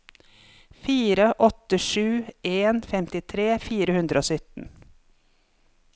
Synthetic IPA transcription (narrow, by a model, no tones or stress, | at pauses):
fiːɾəʔɔt̪əʂʉːeːnfɛmt̪ɪt̪ʰɾeːfiːɾəhʉnd̪ɾəoːsʏt̪n̩